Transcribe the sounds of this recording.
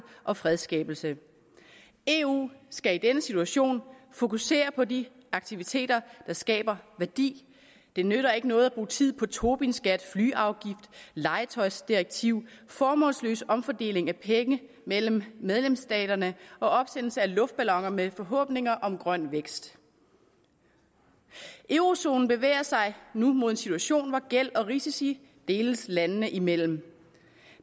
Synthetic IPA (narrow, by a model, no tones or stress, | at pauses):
ʔɒ̽fʁɛð̞ˠsɡ̥ɛ̰ːb̥l̩sə | e̝ṵːsɡ̥æid̥enəsit͡sʰuæɕo̝̰ːnfo̝kuse̝̰ːɐpʰɒ̽di | ɑ̈ɡ̥t͡sʰiʋit͡sʰe̝̰ːd̥ɐd̥ɑ̈sɡ̥ɛ̰ːb̥ɐʋæɐd̥ḭː | d̥e̝nøɾ̥ɐe̝ɡ̥ənɔ̽ːð̞̩ˠæb̥ʁṵːt͡sʰið̞̰ˠpʰɒ̽t͡sʰo̝ːb̥insɡ̥æd̥flyːʔɑ̈ʊɡ̥ifd̥lɑ̈ɪət͡sʰɒ̽ɪsd̥iʁeɡ̥̚t͡sʰiʊ̰fɒːmɔ̰̽ːlslø̰ːsɒ̽mfɒd̥e̝̰ːle̝ŋæpʰeŋə | mel̰m̩ːeð̞ˠlemsd̥ɛ̰ːd̥ɐnəɒ̽ɒ̽b̥sen̰l̩səælɔ̽fd̥̚b̥ælɒ̽ŋɐmefɒ̽ɦɔ̰̽ːb̥ne̝ŋɐʔɒ̽mɡ̥ʁɶn̰ʋeɡ̥sd̥ | ʔeʊʁo̝so̝̰ːnn̩b̥e̝ʋḛːɐsɑ̈ɪnumo̝ð̞ˠe̝nsit͡sʰuæɕo̝̰ːnʋɒɡ̥el̰ɒ̽ʁisisi | d̥e̝ːləslænənəʔimel̰m̩